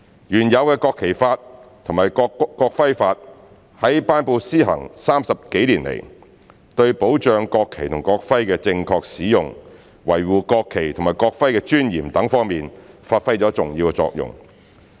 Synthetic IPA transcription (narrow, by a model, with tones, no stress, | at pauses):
jyː˨˩njɐ˨˧wkɛː˧kɔː˧kʰːe˨˩jfaː˧t̚t̪ʰʊ˨˩ŋmaː˨jkːɔː˧k̚fɐ˥jfaː˧t̚ | hɐ˨˥jpaː˥npo˧siː˥ɦɐ̰˨˩ŋsaː˥msɐ˨p̚ke˨˥jliː˨˩nlḛ˨˩j | t̪ɵ˧ɥpo˨˥wt͡ʃœː˧ŋkɔː˧kʰːe˨˩jt̪ʰʊ˨˩ŋkɔː˧k̚fɐ˥jkɛː˧t͡sɪ˧ŋkʰɔː˧k̚siː˨˥jʊ˨ŋ | wɐ˨˩jwuː˨kɔː˧kʰːe˨˩jt̪ʰʊ˨˩ŋmaː˨˩jkɔː˧k̚fɐ˥jkɛː˧t͡ʃyː˥njiː˨˩mt̪ɐ˨˥ŋfɔː˥ŋmiː˨nfaː˧t̚fɐ˥jt͡sɔː˨˥t͡sʊ˨ŋjiː˧wkɛ˧t͡sɔ̰ː˧k̚jʊ̰˨˩ŋ